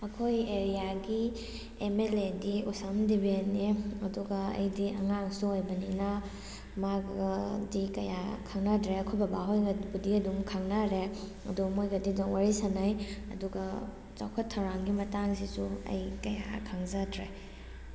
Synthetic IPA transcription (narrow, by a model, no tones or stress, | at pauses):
ɐkʰojeɾijaɡi | emelediusandibeniɐduɡaɐ̰jdiʔɐ̰ŋaŋsuojbɐnina | maɡɐdikɐjakʰaŋnadɾeɐkʰobɐbaɦojɡɐbudiɐdumkʰaŋnaɾe | ɐ̰dumojɡɐdidɔŋwaɾisanajɐ̰duɡa | t͡ʃa̰wkʰɐtʰːawɾaŋɡimɐtaŋsisuɐ̰jkɐja̰kʰaŋzadɾe